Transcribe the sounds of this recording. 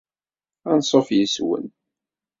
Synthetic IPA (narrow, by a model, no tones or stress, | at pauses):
ænsˤofjəswə̰n